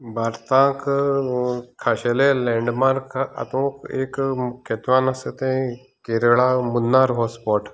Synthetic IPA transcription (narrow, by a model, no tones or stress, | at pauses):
baɾt̪ãk | kʰːaɕelelɛ̃ɳɖmaɾkʰa̰t̪õkḛkkʰːɛt̪ʋanaset̪ẽ | keɾɭamunːaɾɦɔspɔʈ